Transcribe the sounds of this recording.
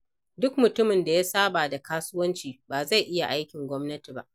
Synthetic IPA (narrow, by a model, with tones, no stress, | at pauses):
dʊ˦kmʊ˨tʊ˦mɪ˨nda˨ja˦saː˦baː˨da˨kaː˦sʊ˦wɐ˦nt͡ʃiː˨baː˨za˦˨jʔɪ˦ja˨ʔa˦jkʲɪ˨ŋɡʷɔ˦mnɐ˦tiː˨ba̰˦ʔ